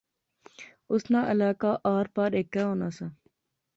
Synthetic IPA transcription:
ʊsnaːʔəlaːkaːʔaːɾpaɾeːkːɛːɦõːnaːsãː

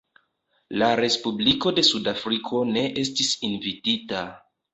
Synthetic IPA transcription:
laɾe̞spubliko̞de̞sudafɾikʰo̞ne̞ʔe̞s̬tisinvitita

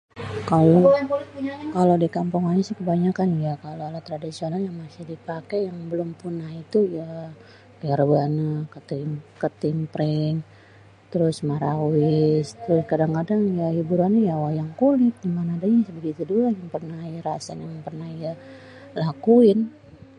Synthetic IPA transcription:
kalo | kalodikampuŋanɲasɪkəbaɲakanjakaloalat̪ɾadisionaljaŋmasɪhdipakɛjaŋbəlʊmpunahit̪uja | kaɾəbanakət̪ɪmkət̪ɪmpɾɛŋ | t̪əɾʊsmaɾawɪst̪ɾʊskadaŋkadaŋjahibuɾanajawajaŋkulɪt̪̚dimanadaɲasəbəɡit̪uduanjaŋpərnahijaɾasanjaŋpərnahija | lakuɪn

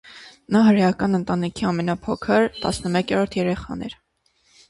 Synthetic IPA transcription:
nɑɦəɾjɑkɑnənt̪ɑnikʰiɑmɛnɑpʰɔkʰəɾt̪ɑ̰snəmɛkʰɛɾɔɾt̪ʰjɛɾɛχɑ̰nɛ̰ɾ

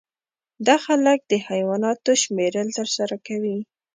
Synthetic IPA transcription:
d̪ɑxalək̚d̪əhajwɑnɑt̪oʃmeɾəlt̪əɾsaɾakawi

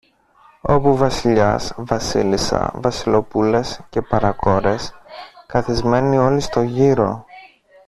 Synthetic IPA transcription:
o̞puvɐsiʎɐsvɐsilisɐ̰vɐsilo̞pule̞sce̞pɐɾɐko̞ɾe̞skɐθizme̞nio̞list̪o̞ʝiɾo̞

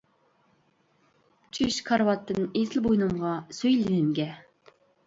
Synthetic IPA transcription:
t͡ʃʰyʃkʰɑɾwɑt̪ːɨnezɪlbojnɨmʁɑsøjlɪnɪmɡʲɛ

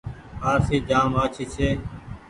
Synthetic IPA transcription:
aːɾsiːd͡ʒaːmaːt͡ʃʰiːt͡ʃʰeː

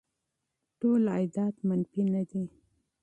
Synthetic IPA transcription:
ʈola̰jd̪ɑt̪manfinad̪i

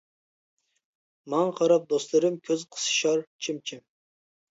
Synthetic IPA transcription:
mɑŋqʰɑɾɑp̚d̪ost̪lˠɨɾɨmkʲʰøzqʰə̥sɨ̥ʃɑɾt͡ʃʰimt͡ʃʰim

